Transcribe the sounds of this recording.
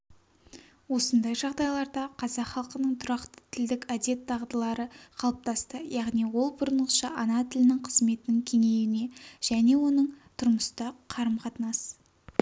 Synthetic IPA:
wo̞sənd̪ɑjʒɑʁd̪ɑjlˠɑɾd̪ɑqʰɑzɑqχɑlˠqənəɴt̪ʰʊɾɑqt̪ə̥t̪ʰɪld̪ɪkʲæd̪e̞t̪ʰːɑʁd̪əlˠɑɾəqʰɑlˠəp̚t̪ɑst̪əjɑʁniwo̞lˠbʊɾənəʃɑ̰ʔɑnɑt̪ʰɪlɪnɪŋqʰəzme̞t̪ɪnɪŋkʲʰe̞ŋe̞jɪne̞ʒ̥æne̞wo̞nəɴt̪ʰʊɾməst̪ɑqʰɑɾəmqʰɑt̪ənɑs

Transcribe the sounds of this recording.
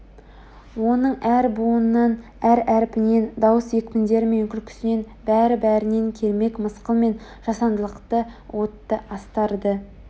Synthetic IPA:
wo̞nəɴæɾbuənːɑn | æɾæɾɪpɪne̞nd̪ɑwəsje̞kʲmʲɪnd̪e̞ɾɪmenkʲɪlkʲʰʏ̥sɪne̞n | bæɾɪbæɾɪne̞ŋkʲʰe̞lme̞kməsqəlˠme̞n | ʒ̥ɑsɑnd̪əlˠəqt̪əwʔo̞t̪ːəʔɑst̪ɑɾd̪ə

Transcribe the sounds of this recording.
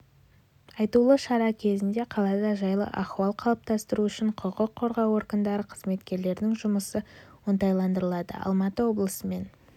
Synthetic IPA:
ɑjt̪ulˠəʃɑɾɑkʲʰe̞zɪnd̪e̞qʰɑlˠɑd̪ɑʒɑjlˠə̰ʔɑχuɑlˠqʰɑlˠəp̚t̪ɑst̪əɾuʏʃɪɴqʰəqəqʰːo̞ɾʁɑwo̞ɾɡənd̪ɑɾəqʰəzme̞t̪kʲe̞ɾle̞ɾd̪ɪŋʒʊməsəwont̪ɑjlˠɑnd̪əɾəlˠɑd̪ə̰ɑ̰lˠmɑt̪əwo̞blˠəsəme̞n

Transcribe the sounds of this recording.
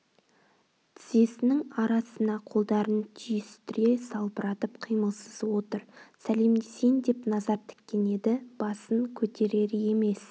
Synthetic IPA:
t̪ʰɪze̞sɪnɪŋɑɾɑsənɑqʰo̞lˠd̪ɑɾənt̪ʰijɪst̪ʰʏɾe̞sɑlˠpəɾɑt̪əpqʰijməlˠsəzwo̞t̪əɾsæle̞md̪e̞se̞jŋd̪e̞pnɑzɑɾt̪ʰɪ̥kʲːe̞ne̞d̪ɪb̥ɑsəŋkʲʰɵt̪ʰe̞ɾe̞ɾɪje̞me̞s

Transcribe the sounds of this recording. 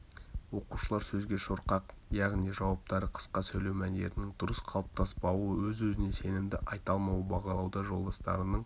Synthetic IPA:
wo̞quʃəlˠɑɾsɵzɡʲe̞ʃoɾqɑq | jɑʁnijʒɑwɑp̚t̪ɑɾəqʰə̥sqɑsɵjle̞wmænd̪e̞̰ɾɪnɪŋd̪ʊɾəsqʰɑlˠəp̚t̪ʰɑspɑwəwɵzɵzɪne̞se̞nɪmd̪ɪʔɑjt̪ɑlˠmɑwəbɑʁɑlˠɑwd̪ɑʒo̞lˠd̪ɑst̪ɑ̰ɾənəɴ

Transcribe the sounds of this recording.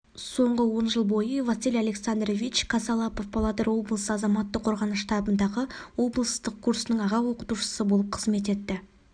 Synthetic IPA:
so̞ɴʁəwo̞nʒəlˠbo̞jəvasʲilʲjalʲe̞ksand̪rvʲit͡ʃkʰasɑlˠɑpo̞fbʰalˠɑd̪eɾwo̞blˠəsəɑzɑmɑt̪ːəqʰːo̞ɾʁɑnəʃt̪ɑbənd̪ɑʁəwo̞blˠəst̪əq̚kʰuɾsənəɴɑʁɑwo̞qət̪uʃə̥səbo̞lˠəp̚qʰəzme̞t̪̬e̞t̪ːɪ

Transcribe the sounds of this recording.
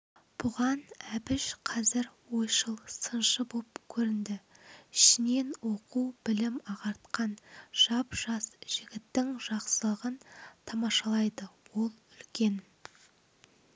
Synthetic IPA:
b̥ʊʁɑnæbɪʃqʰɑzɪɾwo̞jʃəlˠsənʃəbopkʲʰɵɾɪnd̪ɪɪʃɪne̞nwo̞qubɪlɪmɑʁɑɾt̪qɑnʒ̥ɑpʒ̥ɑsʒ̥ɪɡʲɪt̪ːɪŋʒ̥ɑqsəlˠəʁənt̪ʰɑmɑʃɑlˠɑjd̪əwo̞lˠʏlkʲe̞n

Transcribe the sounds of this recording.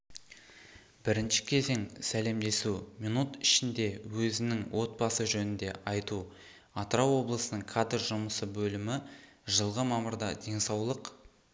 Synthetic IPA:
b̥ɪɾɪnʃɪ̥kʲʰe̞ze̞ŋsæle̞md̪e̞suminut̪ɪʃɪnd̪e̞wɵzɪnɪŋwʔo̞t̪̚bɑsəʒɵnɪnd̪e̞ʔɑjt̪u | ɑt̪əɾɑwːo̞blˠəsənəɴkʰad̪ɾʒʊməsəbɵlɪmɪʒəlˠʁəmɑməɾd̪ɑd̪e̞ŋsɑwlˠəq

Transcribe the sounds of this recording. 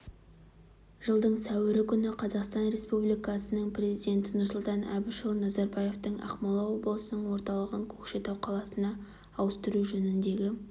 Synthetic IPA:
ʒ̥əlˠd̪əɴsæwɪɾɪkʲʰʏnɪqʰɑzɑqst̪ɑnɾe̞spublijkɑsənəɴprʲe̞zijd̪ʲe̞nt̪ɪnʊrsʊlˠt̪ɑnæ̰bɪʃəlˠnɑzɑɾbɑje̞ft̪əɴɑ̰qmɑlˠɑwo̞blˠəsənəɴwo̞ɾt̪ɑlˠəʁəŋkʲʰɵ̥kʃe̞t̪ɑwqʰɑlˠɑsənɑː | wəst̪əɾuʒɵnɪnd̪e̞ɡʲɪ

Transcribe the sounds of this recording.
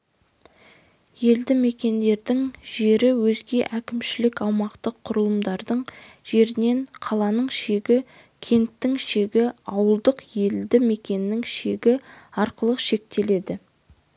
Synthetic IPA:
je̞ld̪ɪme̞kʲe̞nd̪e̞ɾd̪ɪŋʒe̞ɾɪwɵzɡʲe̞ʔækʲɪmʃɪlɪkɑwmɑqt̪əqʰːʊɾəlˠəmd̪ɑɾd̪əɴ | ʒ̥e̞ɾɪne̞ɴqʰɑlˠɑnəɴʃe̞ɡʲɪ | kʲʰe̞nt̪ːɪŋʃe̞ɡʲɪɑwəlˠd̪əqje̞ld̪ɪme̞kʲe̞nːɪŋʃe̞ɡʲɪɑɾqəlˠəqʃe̞k̚t̪e̞le̞d̪ɪ

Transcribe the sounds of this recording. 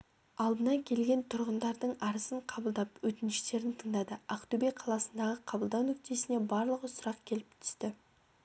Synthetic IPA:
ɑlˠd̪ənɑŋkʲʰe̞lɡʲe̞nt̪ʰʊɾʁənd̪ɑɾd̪əɴɑɾəsəɴqʰɑbəlˠd̪ɑpwɵt̪ɪnʃɪt̪e̞ɾɪnt̪ʰəɴd̪ɑd̪əɑqt̪ubeqʰɑlˠɑsənd̪ɑʁəqʰɑbəlˠd̪ɑwnʏk̚t̪e̞sɪne̞bɑɾlˠəqəsʊɾɑqkʲʰe̞lɪp̚t̪ʰʏ̥st̪ɪ

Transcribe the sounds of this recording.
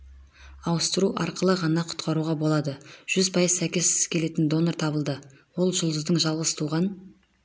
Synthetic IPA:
ɑwəst̪əɾuʔɑɾqəlˠəʁɑnɑqʰʊ̥t̪qʰɑɾuʁɑbo̞lˠɑd̪əʒ̥ʏzpʰɑjəzsækʲe̞sɪ̥z̥kʲʰe̞le̞t̪ɪnd̪o̞noɾt̪ʰɑbəlˠd̪ə | wo̞lˠʒʊlˠd̪əzd̪əɴʒɑlˠʁəst̪ʰuʁɑn

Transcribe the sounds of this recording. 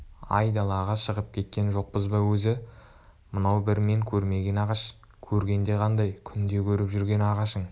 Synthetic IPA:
ɑ̰jd̪ɑlˠɑʁɑʃəʁəp̚kʲʰe̞t̪̚kʲe̞nʒo̞q̚pəzbɑwɵzɪ | mənɑwbɪɾme̞ŋkʲʰɵɾme̞ɡʲe̞nɑʁɑʃ | kʲʰɵɾɡʲe̞nd̪e̞qʰɑnd̪ɑjkʲʰʏnd̪e̞kʲʰɵɾɪpʒʏɾɡʲe̞nɑʁɑʃəɴ

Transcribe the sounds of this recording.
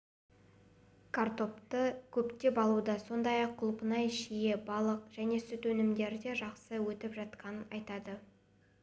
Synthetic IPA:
kʰart̪o̞pt̪əkʲʰɵpt̪e̞bɑlˠud̪ɑso̞nd̪ɑjɑqʰːʊlˠpənɑjʃije̞bɑlˠəq̚ʒ̥æne̞sʏt̪wɵnɪmd̪e̞ɾd̪e̞ʒɑqsəwɵt̪ɪpʒɑt̪qʰɑnənɑjt̪ɑd̪ə

